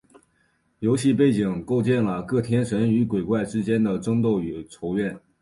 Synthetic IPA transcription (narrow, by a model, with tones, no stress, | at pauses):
jo˧˥ʊɕi˥˧pe˥˩ɪt͡ɕi˨˩ŋko˥˧ʊt͡ɕjɛ˥˩nlə˩kɤ˥˩t̪ʰjɛ˥nʂə˧˥ny˧˥kwe˨˩ɪkwa˥˩ɪʈ͡ʂɻ̩˥t͡ɕjɛ˥nd̪ə˨ʈ͡ʂɤ˥ŋt̪o˥˩ʊy˨˩ʈ͡ʂʰo˧˥ʊɥɛ˥˩n